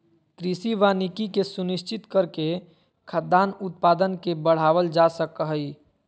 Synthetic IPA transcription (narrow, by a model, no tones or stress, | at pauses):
t̪ɾiːsiʋanikikesʊnɪʃt͡ʃɪt̪kəɾke | kʰəd̪aːnʊt̪̚paːd̪ənkebəɽ̤aːʋəld͡ʒasəkɦəi